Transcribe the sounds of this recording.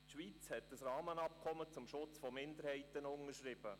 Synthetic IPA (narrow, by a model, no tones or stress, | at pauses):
tʃʋit͡shɛt̚d̥əsrɑːmənɑpkʰɔmət͡sʊmʃʊt͡sfɔmɪndəɾhɛɪtənʊnəʃɾɪb̥ə